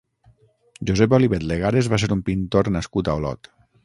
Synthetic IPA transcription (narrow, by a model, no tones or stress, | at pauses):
ʒuzɛp̬oliβet̪leɣ̞aɾezβaseɾumpint̪oɾnaskut̪aolɔ̰t̪